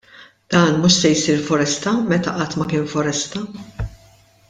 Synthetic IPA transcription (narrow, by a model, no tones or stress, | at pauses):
d̪̥ɐːnmuːʃsɛjsiːɾfɔɾɛst̪ɐmɛt̪ɐʔɐt̪ːmɐkɪːnfɔɾɛst̪ɐ